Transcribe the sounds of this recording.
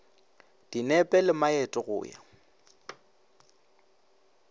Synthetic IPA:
d̥inɛpʼɛlɪmaɛtʼɔɣʊ̰ːja̰

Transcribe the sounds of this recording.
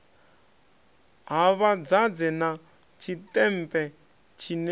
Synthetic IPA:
ɦaβad͡zad͡zɛna | t͡ʃʰitʼɛm̩pʼɛ | t͡ʃʰin

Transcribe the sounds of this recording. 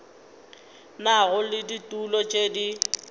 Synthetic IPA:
naɣʊlɪditʼulɔt͡ʃʼedi

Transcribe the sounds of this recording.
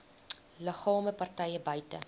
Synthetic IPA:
ləχɑːməpɐrtɛjəbœɥtə̰

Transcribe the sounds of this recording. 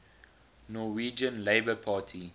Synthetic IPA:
nɔwiːd͡ʒə̃nleɪbəpʰaːtʰi

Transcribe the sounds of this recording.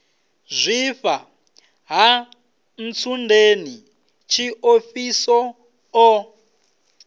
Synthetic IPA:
zʷifa | ɦa | n̩t͡sʰundʱeni | t͡ʃʰiʔofisɔ | ɔ

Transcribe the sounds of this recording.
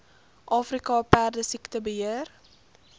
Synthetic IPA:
ʔɑːfrikɑpæːrdəsiktəbəɦiər

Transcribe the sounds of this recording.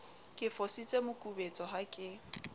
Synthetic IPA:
kʼɪfɔsit͡sʼemʊkʼubet͡sʼɔɦakʼɪ

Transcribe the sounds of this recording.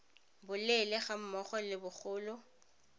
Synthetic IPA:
bʊlɛlɛχam̩mɔχɔlɪbʊk͡xʊːlʊ

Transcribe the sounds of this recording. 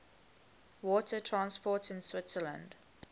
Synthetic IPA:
wɔtʰətʰɹãnspʰɔtɪ̃nswɪtsələ̃nd

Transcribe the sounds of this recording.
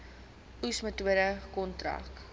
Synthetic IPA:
usmətuəɾəkɔntrɐ̰k

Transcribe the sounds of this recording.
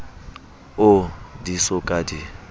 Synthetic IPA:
ʊdisɔkʼadi

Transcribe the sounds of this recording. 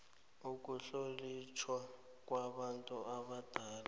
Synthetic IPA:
uk̬ʼuɬolit͡ʃʰwa | k̬ʼwaɓantʼuaɓad̥ʱaːla

